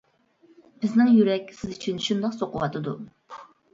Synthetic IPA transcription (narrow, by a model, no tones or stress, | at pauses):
b̥ɪznɪŋjyɾɛkʲsɪzyt͡ʃʰynʃund̪ɑqsoqʊwɑt̪ʰɨd̪u